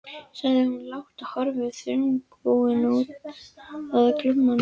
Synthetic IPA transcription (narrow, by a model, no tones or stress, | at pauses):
sajðɪhunlawht̪ahɔɾvɪθʏŋkpoːwɪnuːt̪̚ | aðaklʏmmːan